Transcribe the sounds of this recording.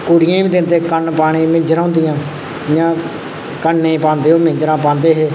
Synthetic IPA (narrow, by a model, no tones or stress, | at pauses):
kʊɽɪjãːĩd̪ɪnt̪eːkənpaːɽ̃ĩːmɪ̃ɲd͡ʒɾãːʊːnd̪ɪjãː | jãː | kənːeiːpãːnd̪eːɦoːmɪ̃ɲd͡ʒɾãːp̬ãːnd̪eːɦeː